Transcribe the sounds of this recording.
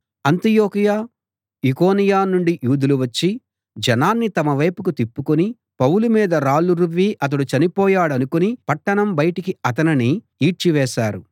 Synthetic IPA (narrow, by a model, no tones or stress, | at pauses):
ɐnt̪ijoːkijaː | iko̞ːnijaːnuɳɖijuːd̪uluʋɐt͡ʃːi | d͡ʒɛnaːnːit̪ɐmɐʋɐjpukut̪ipːukuni | pɐwulumiːd̪ɐɾaːluɾubiːʔɐt̪̬ɐɽut͡ʃɐnipɔːjaːɽɐnukunipɐʈːɐɳɐmbɐjɐʈikiɐt̪̬ɐniniː | ʈt͡ʃiʋɛːʃaːɾu